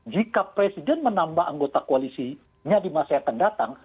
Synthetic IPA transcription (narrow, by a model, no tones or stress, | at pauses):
d͡ʒikapɾesidɛnmənambahʔa̰ŋɡot̪akoalisi | ɲadimasaakandat̪aŋ